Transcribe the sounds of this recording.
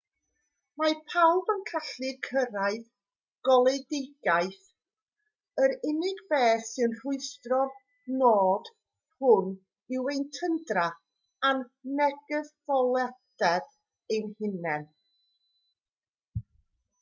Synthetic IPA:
mapʰawbənkʰaɬɪkʰəɾaɨð | ɡ̥ɔlˠedɪɡaɨθ | əɾɪnɪɡbeːθɪənr̥ʊɨstrɔ | noːd | hʊn | ɪwejntʰəndra | anːɛɡəðvɔlˠɛdɛð | enhɪnɛn

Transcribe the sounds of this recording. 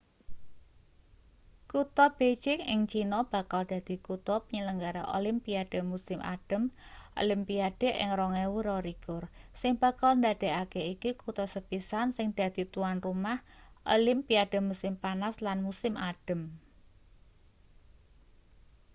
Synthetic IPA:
kut̪ɔb̥et͡ʃɪkɪ̰ŋt͡ʃinɔb̥a̤kald̪̥a̤d̪̥i̤kut̪ɔpəɲələŋɡaɾaʔo̰lɪmpiad̥ə̤musɪmʔa̰ɖ̥ə̤mo̰limpiaɖ̥e̤ʔɪ̰ŋrɔŋɛwuɾɔɾiɡ̥ʊrsɪŋb̥a̤kalnd̪ad̪̥e̤akeikikut̪ɔsəb̥isansɪŋd̪̥a̤d̪̥i̤t̪uanrumahʔo̰lɪmpiad̥ə̤musɪmpanaslanmusɪmʔaɖ̥ə̤m

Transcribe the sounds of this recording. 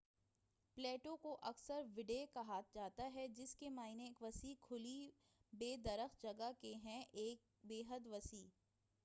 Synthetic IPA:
pleːʈõkoʔɐksəɾʋɪɖekaɦaːt̪̚d͡ʒaːt̪aɦɛd͡ʒɪskemaːineeːkʋɐsiːkʰʊli | beːd̪ɐɾəxd͡ʒɐɡakeɦɛ̃ʔeːk̚beːɦəd̪ʋɐsiː

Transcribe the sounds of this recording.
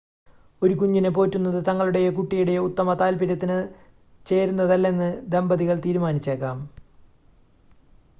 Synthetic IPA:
o̞ɾukuɲːinɨpo̞ːtːunːɐðɨt̪ɐŋːɐɭuɽe̞jekuʈːijuɽe̞jut̪ːɐmɐt̪aːlpiɾɐt̪ːinɨ | t͡ɕe̞ːɾunːɐðɐlːenːɨd̪embɐðiɣɐɭt̪iːɾumaːnit͡ɕːeːkːaːm

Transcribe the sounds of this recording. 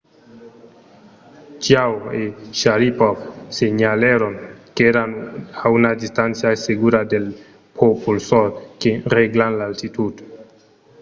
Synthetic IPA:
t͡ʃiaweʃaɾipofseɲaleɾonkeɾanawnadistant͡siajseɡuɾadel | pʰopʰulsoɾkeɾeɡlanlaːltituto̥

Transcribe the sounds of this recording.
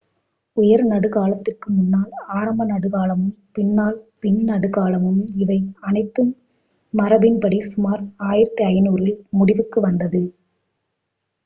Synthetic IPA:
ʊjɐɾnɐɽɯɣaːlɐt̪ːɪrkɯmʊnːaːlaːɾɐmbɐnɐɽɯɣaːlɐmɯmpɪɳːaːlpɪɳnɐɽɯɣaːlɐmɯmɪʋɐɪɐnɐɪt̪ːɯmː | ɐɾɐbɪnpɐɽisʊmaːɾaːjɪɾɐt̪ːiɐjɐnuːɾɪlmʊɽɪʋɯkːɯʋɐnd̪ɐðɯ

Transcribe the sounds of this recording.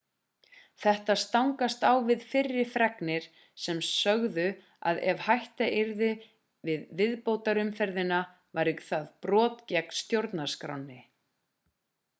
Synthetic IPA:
θɛht̪ast̪awŋkast̪awvɪðfɪrːɪ̥fɾɛknɪɾ̥ | sɛmsœɣðʏ | a̰ðɛvhajht̪aʔɪɾðɪ | vɪðvɪðpoːwt̪aɾʏmfɛɾðɪna | vaɾɪkθaðpɾɔːt̪cɛkn̥st̪jowɾt̪nḁskɾa̰wnːɪ

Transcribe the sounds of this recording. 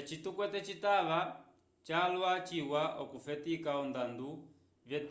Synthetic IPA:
t͡ʃitukwɛtɛt͡ʃitaβa | t͡ʃaːlwat͡ʃiwaʔɔkufɛtikaɔndandu | vjɛt

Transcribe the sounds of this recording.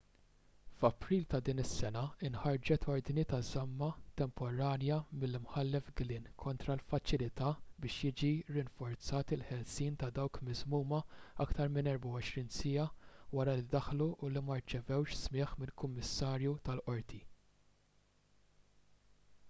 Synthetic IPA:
fɐpɾiːlt̪ɐd̪iːnɪsːɛnɐɪnħɐɾd͡ʒɛt̪ʰɔɾd̪nit̪ɐzɐmːɐt̪ɛmpɔɾɐːnjɐmɪlːɪmħɐlːɛfɡlɪːnkʰɔnt̪ɾɐlfɐt͡ʃɪlɪt̪ɐːbɪːʃjɪːd͡ʒiɾɪnfɔɾt͡sɐːt̪ɪlħɛlsiːnt̪ɐd̪ɐwkmɪzmuːmɐɐkt̪ɐɾmɪnɛɾbɐwɔʃɾiːnsɪːɐwɐɾɐlid̪ɐħluʔːlimɐɾt͡ʃɛvɛwʃsmɪːħmɪlkʊmːɪsːɐːɾjut̪ɐlʔɔɾt̪ʰi

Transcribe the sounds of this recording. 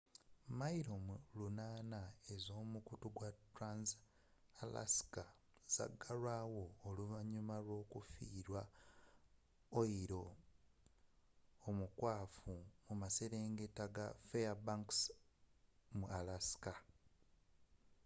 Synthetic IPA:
maiɾo̞mulunaːnae̞zo̞ːmukutuɡwatɾans | ala̰si̥ka | z̥a̰ɡːaɾwaːwo̞ːluvaɲumaɾo̞ːkufiːɾwa | oiɾo̞ | mukwaːfumumase̞ɾeːŋɡe̞taɡafeabaŋks | mualasi̥ka

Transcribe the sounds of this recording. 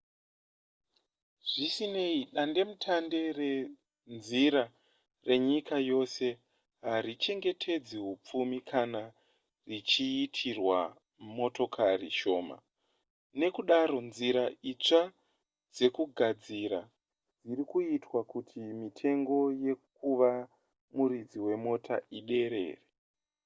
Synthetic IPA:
ʐ̥isine̞iɗande̞mutʰande̞re | nziɾa | re̞ɲikajo̞se̞ | ɦaɾit͡ʃe̞ŋɡe̞tʰe̞d͡ziɦup͡fumikʰana | rit͡ʃiːtʰirwa̰ | mo̞to̞kʰariʃo̞ːma̰ | ne̞kuɗaɾo̞nziɾait͡ʂa | d͡ze̞kuɡʱad͡ziɾa | d͡zirikuitwakutʰimitʰe̞ŋɡo̞je̞k̚uʋa | muɾid͡ziwe̞mo̞tʰa̰iɗe̞ɾe̞̰ːre

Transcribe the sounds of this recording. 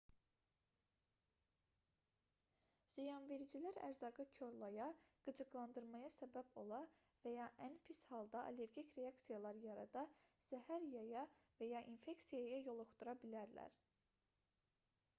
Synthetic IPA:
z̥ijɑnve̞ɾid͡ʒilæɾæ̰ɾzɑɡɯcʰo̞ɾlˠɑjɑɡ̥ɯd͡ʒɯɡlˠɑnd̪ɯɾmɑjɑsæbæbo̞lˠɑ | væjɑʔænpʰishɑlˠd̪ɑʔɑ̰le̞ɾɡicɾe̞ɑksijɑlˠɑɾjɑɾɑd̪ɑz̥æhæɾjɑjɑvæjɑʔinfe̞ksijɑjɑjo̞lˠoχt̪uɾɑbilæɾlæ̰ɾ

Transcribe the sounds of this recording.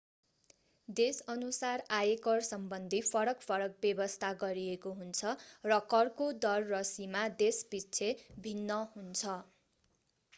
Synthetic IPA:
d̪esʌnusarajekʌrsʌmbʌnd̪ʱipʰʌɾʌkpʰʌɾʌk̚bjʌbʌst̪ʰaɡʌɾiekoɦunt͡sʰʌrʌkʌrkod̪ʌrːʌsimad̪esbit͡sʰebʱinːʌɦunt͡sʰʌ

